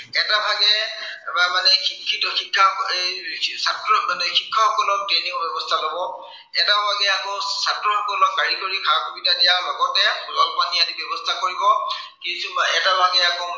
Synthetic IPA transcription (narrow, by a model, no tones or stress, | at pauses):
ɛtabʱaɡɛ | manɛxikʰːitɔxikʰːaesatɹɔnxikʰːaxɔkɔlɔk̚tɹeniŋɔbɛbɔstʰalobɔ | ɛtabʱaɡɛakɔsatɹɔxɔkɔlɔk̚ːaɹikoɹikʰakʰobitadijalɔɡɔtɛlɔlpaniatibjɔbɔstʰakoɹibɔ | kisumɛtabʱaɡɛakɔ